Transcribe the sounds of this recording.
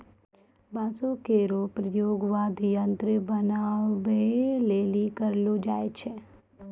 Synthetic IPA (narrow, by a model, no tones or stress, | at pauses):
bãːsõkeɾopɾəjoːɡʋaːd̪ʱijə̃nt̪ɾəbənaːbeleːlikəɾlod͡ʒaːet͡ʃʰe